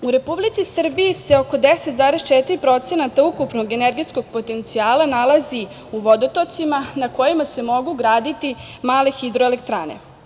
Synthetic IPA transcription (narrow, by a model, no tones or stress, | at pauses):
uɾe̞publit̪sisr̩bijise̞o̞ko̞d̪eset̪zaːɾest͡ʃet̪iɾipɾo̞t̪se̞nat̪aukupnoɡe̞neɾɡet̪sko̞ɡ̚po̞t̪e̞nt̪siaːlanalazi | uʋo̞d̪ot̪ot̪simanako̞jimase̞mo̞ɡuɡɾaːd̪it̪i | maːle̞xid̪ɾo̞elekt̪ɾa̰ːnḛ